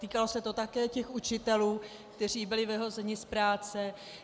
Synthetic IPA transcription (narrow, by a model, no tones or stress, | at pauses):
t̪iːkalo̞sɛt̪o̞t̪akɛːcɛxut͡ʃɪt̪ɛluː | kt̪ɛr̝iːbɪlɪvɛɦo̞zɛɲɪspɾaːt͡sɛ